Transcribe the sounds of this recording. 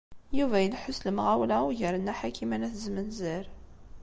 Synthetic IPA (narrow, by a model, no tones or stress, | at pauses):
juvæjəlħʊsləmʁæwlæwʝəɾənæħakʰimænæθzmənzəɾ